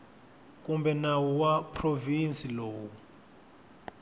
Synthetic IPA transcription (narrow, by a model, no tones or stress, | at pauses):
k̬ʼumbɛnawɔwapʰrovinsʼilɔːwu